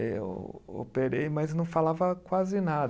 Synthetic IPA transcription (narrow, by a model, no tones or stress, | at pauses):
wo̰peɾejmɐznɐ̃w̃falavɐkwazɪnad̪